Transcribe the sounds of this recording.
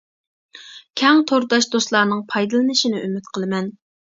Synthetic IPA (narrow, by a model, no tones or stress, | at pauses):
kʲʰɛŋt̪ʰoɾd̪ɑʃd̪oslˠɑːnɨŋpʰɑjd̪ɨlˠɨnɨʃinɪʔymyt̪qʰəlˠɨmɛn